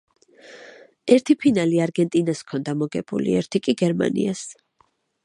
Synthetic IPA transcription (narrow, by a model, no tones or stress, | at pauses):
ɛɾt̪ʰipʰinaliaɾɡɛnt̪ʼinaskʰɔnd̪amɔɡɛbṵlḭɛɾt̪ʰikʼiɡɛɾma̰nḭas